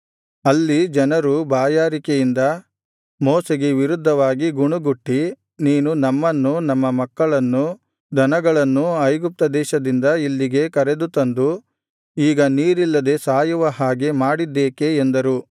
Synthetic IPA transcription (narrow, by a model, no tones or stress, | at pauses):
ɐlːid͡ʒɐnɐɾubaːjaːɾikejind̪ɐ | mɔːseɡeʋiɾud̪ʱːɐʋaːɡiɡuɳuɡuʈːi | niːnunɐmːɐnːunɐmːɐmɐkːɐɭɐnːu | d̪ʱɐnɐɡɐɭɐnːuɐjɡup̚t̪ɐd̪ɛːʃɐd̪ind̪ɐilːiɡe̞kɐɾe̞d̪ut̪ɐnd̪u | iːɡɐniːɾilːɐd̪e̞saːjuʋɐɦaːɡe̞maːɽid̪ːeːke̞ːnd̪ɐɾu